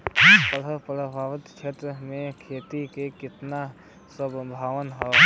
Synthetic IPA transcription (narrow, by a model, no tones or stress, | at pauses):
pələpɾ̤əbʱaːʋət̪t͡ʃʰeːʈ̪ɾəmẽkʰeːt̪ikekɪt̪na | səbbʱaːʋənɦɛː